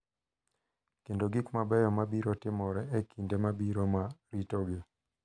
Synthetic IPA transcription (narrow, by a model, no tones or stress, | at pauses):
kendoɡikmabɛjɔmabiɾɔtɪmɔɾɛekʰindemabiɾomaɾitɔɡe